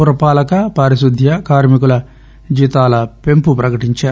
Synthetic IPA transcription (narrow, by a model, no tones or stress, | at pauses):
uɾɐpaːlɐkɐpɐːɾisud̪ʱjɐkaːɾmikulɐ | d͡ʒiːt̪aːlɐpe̞mpupɾɐkɐʈiɲt͡ʃaːɾ